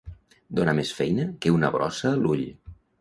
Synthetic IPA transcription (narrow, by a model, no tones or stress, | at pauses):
d̪onəmesfɛjnəkeunəβɾɔ̰səluʎ